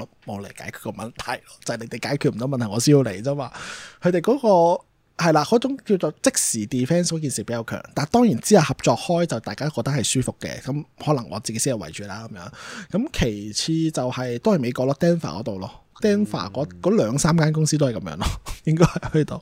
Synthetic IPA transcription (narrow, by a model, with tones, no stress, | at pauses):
mo˨˧wle˨˩kaː˨˥jkʰy̥ː˨t̚kɔ˧mɐ˨˩nt̪ʰɐ˨˩jlɔː˧t͡sɐ˨nle˨˧jt̪e˨˩jkaː˨˥jkʰyː˨˧t̚m̩˨˩t̪wmɐ˨nt̪ʰɐ˨˩ŋɔː˨˧siː˥ju˧le˨˩jt͡saː˥maː˨˩kʰɵ˨˧ɥt̪e˨jkɔː˨˦˥kɔː˧ | hɐ˨jlaː˧kɔː˨˥t͡sʊ˨˥ŋki˧wt͡so˨˧t͡sɪ˥k̚siː˨˩t̪iː˨˩fɛː˥nskɔː˨˥k̬iː˨nsiː˨˩pe˨˥jɐ˨˧wkʰœ̰ː˨˩ŋt̪aː˨˩nt̪ɔː˥ŋjiː˨˩nt͡siː˥hɐ˨˩hɐ˨p̚t͡sɔː˧k̚hɔː˥jt͡sɐ˨wt̪aː˨jkaː˥o˥kːɔː˧k̚t̪ɐ˥khɐ˨jsyː˥fʊ˨kːɛ̰˧kɐ˨˦mhɔː˨˥lɐ˨˩ŋʔɔ̰ː˨˧t͡si˨ke˦˥siː˥ŋjɐ˨˧wɐ˨˩jt͡ʃyː˨˩laː˥kɐ˨˦mjœ̰ː˨˥ŋkɐ˨˥mkʰe˨˩jt͡sʰiː˧t͡sɐ˨whɐ˨jt̪o˥whɐ˨jme˨˧jkɔː˧lɔː˧˥t̪ɛː˥nfa̰ː˨kɔ̰˨˦t̪o˨wlɔː˧t̪ɛː˥nfa̰ː˨˩kɔː˨˥kɔː˨˧˥lœː˨˧ŋsaː˥mkaː˥nkʊ˥ŋsiː˥t̪o˥whɐ˨˩kɐ˨˦mjœ̰ː˧˥ŋlɔː˧jɪ˥ŋkɔː˥hɐ˨˩jhɵ˧˥t̪o˨w